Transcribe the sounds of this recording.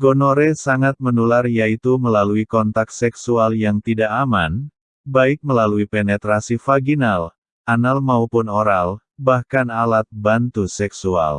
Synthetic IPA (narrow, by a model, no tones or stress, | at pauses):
ɡonoɾesaŋat̪̚mənularjait̪uməlaluikɔnt̪ak̪̚sɛksualjaŋt̪idaʔaman | baɪk̚məlaluipenɛt̪ɾasifaɡinal | ʔanalmaupʊnoɾal | bahkanalat̪̚bant̪usɛksua̰l